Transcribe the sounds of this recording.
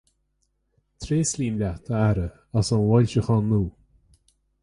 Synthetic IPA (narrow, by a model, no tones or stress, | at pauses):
t̪ʰɾeːslʲiːmlʲat̪ʰəaɾə | asɔnwɔlʲʃəxɔnːuː